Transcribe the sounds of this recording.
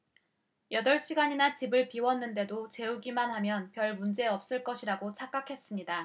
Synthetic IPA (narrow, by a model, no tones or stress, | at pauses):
jʌdʌɭɕ͈iɡaɲinat͡ɕibɯɭpiwʌnːɯnde̞dot͡ɕe̞uɡimanɦhamjʌnpjʌɭmund͡ʑe̞ʌp̚s͈ɯɭk͈ʌɕʰiɾaɡot͡ɕʰak͈akʰe̞s͈ɯmɲida